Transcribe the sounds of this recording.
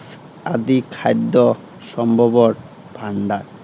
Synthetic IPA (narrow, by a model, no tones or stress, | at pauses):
s | a̰d̪ikʰajd̪ːɔ | ʃɔmbʱɔbɔɾ | bʱaɳɖaɾ